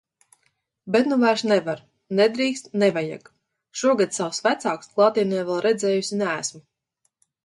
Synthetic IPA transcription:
bɛt̪nuvæɾʃnɛvaɾ | nɛd̪ɾiːkst̪nɛvaja̰ɡ | ʃuɔɡad̪sawsvæt̪saːksklˠaːt̪inɛjvɛlˠɾɛd̪zɛːjusʲinææsm

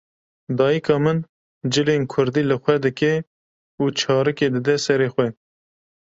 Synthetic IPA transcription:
d̪ɑːjəkʰɑːmɨn | d͡ʒɨlenkʰʊɾd̪iːlɨxʷɛd̪ɨkɛ | uːt͡ʃʰɑːɾɨkeːd̪ɨd̪ɛsɛɾeːxʷwɛ

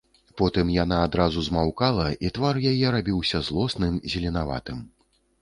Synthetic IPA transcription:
pɔt̪ɨmjanaːd̪ɾazuzmawkalˠɐʔit̪varjajɛɾabʲiwsʲɐzlˠɔsnɨmzʲɛlʲɛnava̰t̪ɨm

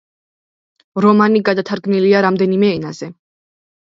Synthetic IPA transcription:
ɾɔmaniɡad̪at̪ʰaɾɡniliaɾamd̪ɛnimɛːnazɛ

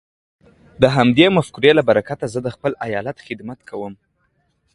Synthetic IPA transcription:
d̪əɦamd̪emafkuɾelabaɾakat̪azəd̪əxpəlajɑlat̪xɪd̪mat̪kʰawəm

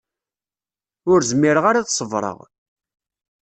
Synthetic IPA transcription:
ʊɾzəmːiɾəʁaɾaðsˤəvɾˤə̰ʁ

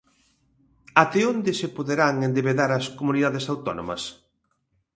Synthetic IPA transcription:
at̪eond̪ɪsepoðeɾaŋend̪eβeðaɾɐskomuniðaðesawt̪ɔno̰mɐ̰s

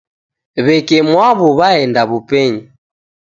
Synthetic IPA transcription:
βɛkɛmwaβuβaɛndaβupɛɲi

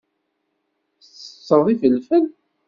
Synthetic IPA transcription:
t͡sːə̥t͡sˤːəðˤifəlfən

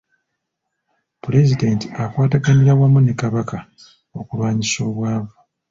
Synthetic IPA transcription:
pule̞zidentiakwaːtaɡaniɾaβwamunekaβaka | o̞kulwaːɲiso̞ːβwaːβo

